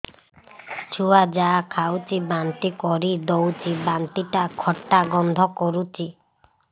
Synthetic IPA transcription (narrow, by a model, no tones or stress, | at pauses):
t͡ʃʰuad͡ʒakʰawt͡ʃibant̪ikɔɾid̪owt͡ʃibant̪iʈakʰɔʈːaɡɔnd̪ʱɔkɔɾut͡ʃi